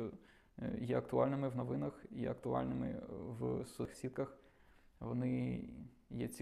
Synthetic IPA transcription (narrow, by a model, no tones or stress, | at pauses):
ɔ | jɛɐkt̪ʊɑlʲnɪmɪʋnɔʋɪnɐxjɛ̰ɐkt̪ʊɑ̰lʲnɪmɪ̰ʋsʊxsʲid̪̚kɐx | ʋɔnɪ | jɛt͡sʲ